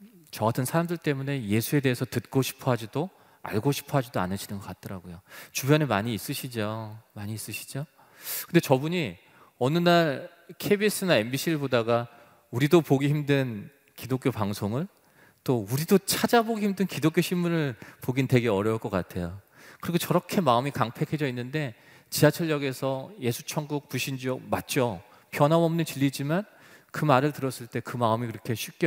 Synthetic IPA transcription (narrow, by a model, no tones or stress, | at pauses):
t͡ɕʌɡatʰɯnsʰaɾamdɯɭt͈e̞mune̞je̞sʰue̞de̞ɦesʰʌtɯt̚k͈oɕʰi̥pʰoɦad͡ʑido | a̰ɭɡoɕʰi̥pʰoɦad͡ʑidoa̰nɯɕʰinɯnɡʌk͈at̚t͈ʰʌɾaɡojot͡ɕubjʌnemaɲiːs͈ɯɕʰid͡ʑomaɲiːs͈ɯɕʰi̥d͡ʑo | kɯnde̞t͡ɕʌbuɲi | ʌnɯnaɭ | kʰebis͈ɯnae̞mbiɕʰiɯɭbodaɡa | uɾidopoɡiçimdɯn | kidok͈jopaŋsʰoŋɯɭ | t͈ouɾidot͡ɕʰad͡ʑaboɡihimdɯnkidok͈joɕʰimːunɯɭpoɡinte̞ɡe̞ʌɾjʌuɭk͈ʌk͈a̰tʰe̞jo | kɯɾiɡot͡ɕʌɾʌkʰe̞maɯmikaŋpʰe̞kʰe̞d͡ʑʌinːɯnde̞ | t͡ɕisʰat͡ɕʰʌʎːjʌɡe̞sʰʌje̞sʰu̥t͡ɕʰʌŋɡuk̚puɕʰind͡ʑiʌmat̚t͡ɕ͈o | pjʌnɦamʌmnɯnt͡ɕiʎːid͡ʑiman | kɯmaɾɯɭtɯɾʌs͈ɯɭt͈e̞kɯmaɯmiiɾʌkʰe̞ɕʰip̚k͈e